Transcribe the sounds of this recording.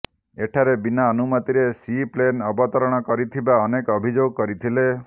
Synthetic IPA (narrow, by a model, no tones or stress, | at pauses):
eʈʰaɾebinaɔnumɔt̪iɾesiplenɔbɔt̪ɔɾɔɽ̃ɔkɔɾit̪ʰibaɔnekɔbʱid͡ʒoɡɔkɔɾit̪ʰile